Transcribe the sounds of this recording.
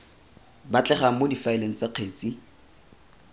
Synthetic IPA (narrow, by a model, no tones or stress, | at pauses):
bat͡ɬɛχaŋ̩modifaeleŋ̩t͡saq͡χʰeːt͡si